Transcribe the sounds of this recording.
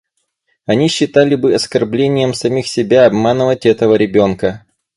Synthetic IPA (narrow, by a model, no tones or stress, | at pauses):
ɐnʲiɕːɪt̪alʲɪbɨɐskɐrblʲenʲɪjəmsɐmʲixsʲɪbʲaɐbmanɨvətʲɛt̪əvəɾʲɪbʲo̞nkə